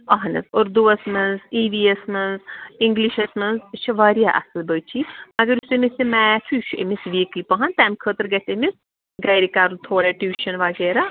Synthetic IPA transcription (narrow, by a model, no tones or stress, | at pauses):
ɐɦɐnɐ̰zoɾd̪uɐsmɐnziːʋiesmɐnziŋɡliʃɐsmɐnzt͡ʃʰɐʋaːɾijaʔɐ̰sɐlbəːt͡ʃʰimɐɡɐɾusemisimɛt͡ʃʰuʃʰḛmisʋiːkipɐɦɐnt̪amʲkʰəːt̪ɐɾɡɐt̪emis | ɡɐːɾikaːɾunt̪ʰoːɾeːʈuːʃɐnʋaɡeːɾaː